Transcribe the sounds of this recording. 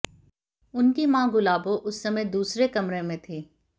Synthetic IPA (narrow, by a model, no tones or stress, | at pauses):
ʊnkimãːɡʊlaːboʔʊsːɐmeːd̪uːsɾekɐmɾemẽt̪ʰiː